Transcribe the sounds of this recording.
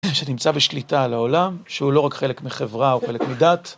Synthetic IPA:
ʃenimt͡sabeʃlitalaolamʃeulo̞ʁakχe̞lekmiχevʁaoχe̞lekmidat

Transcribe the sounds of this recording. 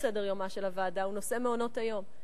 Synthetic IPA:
sedeʁjo̞maʃelavaːdauno̞se̞meo̞no̞tajo̞m

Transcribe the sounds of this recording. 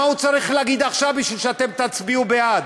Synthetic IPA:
aut͡saʁiχleaɡid̪aχʃavbiʃvilʃeat̪e̞mt̪at͡sbiubead̪

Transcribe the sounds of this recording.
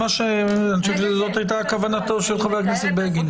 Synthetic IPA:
aʃeaniʃevʃezot̪ajt̬aːkavanat̪oʃelχaveakneset̚beeɡin

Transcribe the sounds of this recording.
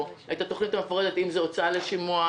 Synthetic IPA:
ajit̪at̪o̞χnit̪amefoʁed̪e̞t̪imzeot͡saleʃimua

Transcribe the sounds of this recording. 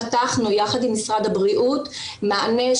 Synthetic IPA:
taχnujaχadimːisʁad̪habʁiʔutmaane

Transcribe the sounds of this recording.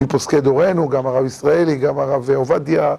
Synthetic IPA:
iposked̪oʁenuɡamaʁabisʁaeliɡamaʁaveovad̪ja

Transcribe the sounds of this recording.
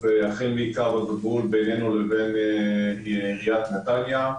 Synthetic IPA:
veaχenbiikaʁbaɡvulbejnenuleben | iʁijat̪nat̪alja

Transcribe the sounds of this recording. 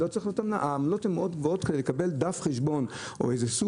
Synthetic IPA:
ot͡saʁixlijotamla̰ʔaːmlo̞themeʔo̞t̪ɡvoo̞tkedelekabe̞ld̪afχeʃbo̞no̞̰ejzesu

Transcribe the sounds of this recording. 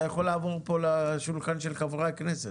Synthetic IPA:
jaχolːaːvo̞ʁpo̞laʃulχanʃelχavʁaknese

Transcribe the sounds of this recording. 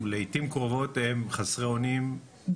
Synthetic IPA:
lejitimkʁovo̞temχasʁeonim

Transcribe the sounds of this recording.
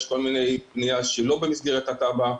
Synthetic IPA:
ʃko̞lmine̞jpnijaʃelo̞bemisɡiʁet̪at̪aba

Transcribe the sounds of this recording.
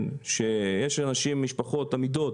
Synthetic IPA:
nʃe̞jeʃanaʃimːiʃpaχo̞tamid̪o̞t

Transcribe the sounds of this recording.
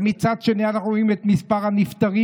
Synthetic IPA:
mit͡sad̪ʃenianaχuʁoimet̪mispaʁhanift̪aʁi

